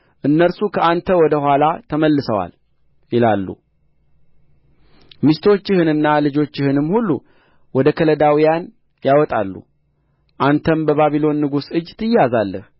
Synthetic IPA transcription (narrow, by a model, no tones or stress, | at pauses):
ʔɨnːəɾsukʰəʔant̪ʰəwɔd̪əhʷalat̪ʰəməlːɨsəwa̰l | jɪlalːṵ | mist̪ʰot͡ʃːɪhɨnɨnːalɨd͡ʒo̞t͡ʃːɪhɨnɨmːhulːu | wɔd̪əkʰələd̪awijan | jawɔt̪ʼa̰lːṵ | ʔant̪ʰənbəβaβilo̞nːɨɡusɨd͡ʒːt̪ʰɨjazalːə̰h